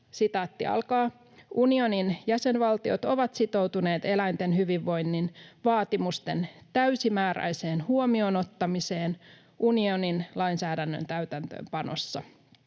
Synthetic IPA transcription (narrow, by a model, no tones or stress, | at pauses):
sit̪ɑːt̪ːḭɑ̰lkɑː | ʔunio̞ninjæse̞nʋɑlt̪io̞̰t̪o̞ʋɑt̪sit̪o̞wt̪une̞ːt̪e̞læjnt̪e̞nhyʋiʋːo̞jnːinʋɑːt̪imust̪e̞̰nt̪æɥsimæːɾæ̰jse̞ːnhuomio̞no̞t̪ːɑmise̞ːn | ʔunio̞ninlɑinsæːdænːø̰nt̪æɥt̪ænt̪ø̰ːmpɑno̞̰sːɑ